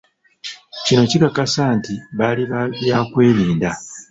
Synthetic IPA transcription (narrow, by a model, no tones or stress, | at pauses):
cino̞cikakasaːntiβaliβjakwe̞ːliːnda